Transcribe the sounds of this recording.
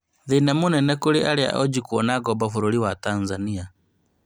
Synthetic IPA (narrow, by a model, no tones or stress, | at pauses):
ðinɛmunɛnɛkuliaɾia̰ʔɔd͡ʒikuɔnaɡɔbɔfuɾuɾiwatanzania